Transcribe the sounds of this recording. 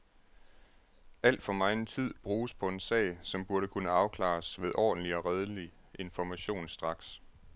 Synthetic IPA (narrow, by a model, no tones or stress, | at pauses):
æl̰d̥fɒ̽mɑ̈ɪent͡sʰið̞̰ˠb̥ʁuːspʰɒ̽e̝nsɛ̰ɪsɒ̽mb̥uɐɾəkʰunəɑ̈ʊkʰlɑ̰̈ːsʋeð̞ˠʔɒ̰ːd̥n̩liɒ̽ʁɛðˠəli | ʔe̝nfɒmæɕo̝̰ːnsd̥ʁɑ̈ɡ̥s